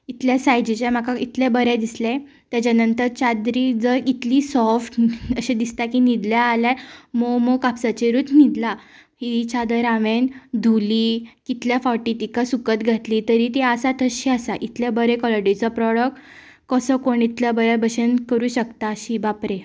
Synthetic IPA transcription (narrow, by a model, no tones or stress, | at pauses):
it̪ljasajd͡ʑit͡ɕam̤akait̪lebəɾed̪islẽ | t̪jat͡ɕanənt̪əɾt͡ɕad̪ɾid͡zəit̪lisɔɾfʈəɕed̪ist̪akinid̪ljaːljaɾmomokapsat͡ɕeɾut̪ʰnid̪la | hit͡ɕad̪əɾaʋend̪ʱuliːkit̪ljafaʈit̪ikasukət̪ɡʱat̪liːt̪əɾiːt̪eəsat̪əɕiasaʔit̪labəɾekɔləɖit͡sɔpɾɔɽəkʈ | kəsəkoɳit̪ljəbəɾjabʱəɕənkəɾuːɕəkt̪aəɕibapɾe